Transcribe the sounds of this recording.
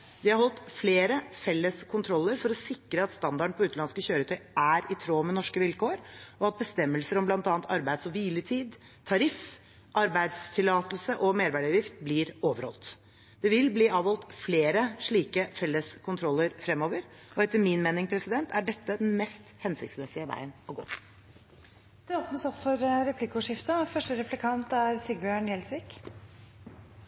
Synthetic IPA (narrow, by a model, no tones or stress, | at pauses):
d̪ɪhɑɾhɔlt̪fleːɾəfɛlːəskʰʊnt̪ʰɾɔlːəɾfɔɾɔsɪkɾəɑt̪st̪ɑnd̪ɑɖəɳpʰɔʉːt̪lɑnskəɕøːɾət̪ʰœʏʔæɾɪt̪ʰɾoːmɛnɔʂkəʋɪlkoːɾɔɑt̪̚bəst̪ɛmːəlsəɾɔmblɑnt̪ɑːnt̪ɑɾbæɪd̪sɔʋiːlət̪ʰiːd̪ | t̪ʰɑɾɪf | ʔɑɾbæɪd̪st̪ʰɪlɑːt̪l̩səʔɔmeːɾʋæːɖəɑʋjɪft̪̚blɪːɾoːʋəɾhɔ̰lt̪ | d̪̥ɛʋɪlbliːɑːʋɔlt̪fleːɾəʂɭiːkəfɛlːəskʰʊnt̪ʰɾɔlːəɾfɾɛmːoːʋəɾɔɛt̪ːəmɪnmeːnɪŋpʰɾɛsɪd̪ɛnt̪ʰæɖɛt̪ːəd̪ɛnmɛst̪hɛnsɪk̚t̪smɛsɪəʋæ̰ɪənɔɡo̰ː | d̪̥ɛoːpnəsɔpfɔɾɾɛpʰlɪkʊʂɪft̪əfœʂʈəɾɛflɪkʰɑnt̪æɾsiɡ̚bjœaɳjɛlsʋiːk